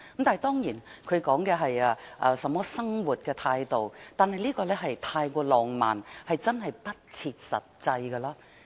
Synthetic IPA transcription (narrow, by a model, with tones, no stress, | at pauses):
kmt̪aː˨˩ɦt̪ɔː˥ŋjiː˨˩nkʰɵ˨˧ɥkɔː˨˥ŋkɛː˧ɦɐ˨jaː˧ʔɐː˧sɐ˨˥mːɔː˥sɐ˥ŋwuː˨t̚kɛː˧t̪ʰaː˧jt̪o˨wt̪aː˨nɦɐ˨jliː˥kɔː˧lɛ˥ɦɐ˨jt̪ʰaː˧jkʷɔː˧lɔː˨˩ŋma̰ː˨nhɐ˨jt͡sɐ˥nɦɐ˨jpɐ˥t̚t͡sʰiː˧t̚sɐ̰˨˩t̚t͡sɐ˧jɡɐ˧laː˥